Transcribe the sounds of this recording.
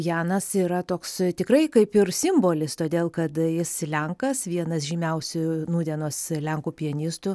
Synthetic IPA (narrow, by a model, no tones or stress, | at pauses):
jæːnɐsiːɾɐt̪oːkst̪ʲɪkrɐɪkɐɪpɪrsʲɪmboːlʲɪst̪oːd̪ʲeːlˠkɐt̪jɪslʲɛŋkɐsʋʲiɛnɐsʒʲiːmʲɛʊsʲʊnuːd̪ʲiɛnoːslʲɛŋkuːpʲiɛnʲiːst̪ʊ